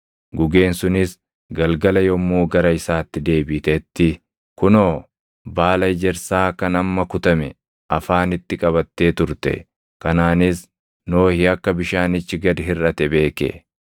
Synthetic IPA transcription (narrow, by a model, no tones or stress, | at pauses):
ɡʊɡe̞ːnsʊnɪs | ɡɐlɡɐlɐjɔmːuːɡɐɾɐɪsaːt̪ːɪd̪e̞ːbɪt̪ɛt̪ːɪ | kʊnoː | baːlɐɪd͡ʒɛɾsaːkɐnɐmːɐkʊt̪ɐmɛ | ʔɐfaːnɪt̪ːɪkʼɐβɐt̪ːe̞ːt̪ʊɾt̪ɛ̰ | kɐnaːnɪs | no̞ːhɪɐkːɐbɪʃaːnɪt͡ʃːɪɡɐd̪ɪrɐt̪ɛbe̞ːkḛ